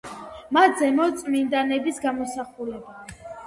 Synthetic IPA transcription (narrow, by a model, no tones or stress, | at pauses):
mat̪zɛmɔt̪sʼmind̪anɛbisɡamɔsaχulɛba